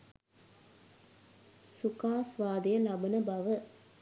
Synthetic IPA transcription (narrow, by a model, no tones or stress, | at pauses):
sukaːsʋaːd̪ɐjɐlɐbɐnɐbɐʋɐ